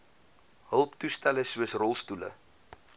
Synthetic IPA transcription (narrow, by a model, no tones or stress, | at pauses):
ɦəlˠptustæləsuəsrɔlˠstulə̰